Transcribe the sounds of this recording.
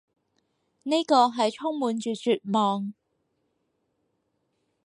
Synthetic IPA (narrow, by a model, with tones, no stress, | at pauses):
ne˥kɔː˧ɦɐ˨jt͡ʃʰʊ˥ŋmuː˨nt͡ʃyː˨t͡syː˨t̚mɔː˨˧ŋ